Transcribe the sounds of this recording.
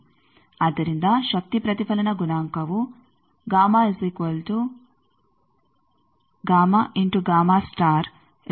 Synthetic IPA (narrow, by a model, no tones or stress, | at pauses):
ad̪ɐɾind̪aːʃɐk̚t̪ipɾɐt̪ipʰɐlɐnɐɡunaːŋkɐʋu | ɡaːmaːesikɐlt̪u | ɡaːmaʔiɳʈuɡaːmaːsʈaːɾ